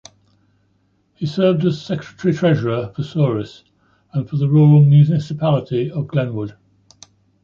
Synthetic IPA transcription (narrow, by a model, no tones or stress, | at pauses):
hisɜːvdəz̥sɛkʰɹətəɹitʰɹ̥ɛʒəɹəfəsɔːɹɪs | ə̃nfəðəɹɔːɹəlˠmjʉnɪsɪpʰalɪtʰiəvɡlɛ̃nwʊd̥